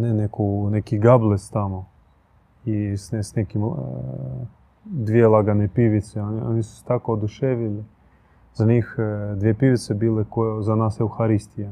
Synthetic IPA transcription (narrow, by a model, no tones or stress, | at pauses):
nɛnɛkunɛkiɡablˠɛst̪amo | isnɛsnɛkim | d̪ʋʲjelˠaɡanepʲiʋit̪sɛna̰nʲisu̥st̪akod̪ʊʃɛʋʲɪlʲɪ | z̥anʲixd̪ʋʲjepiʋit̪sɛbilˠekozanasjɛuxaɾisʲt̪ʲija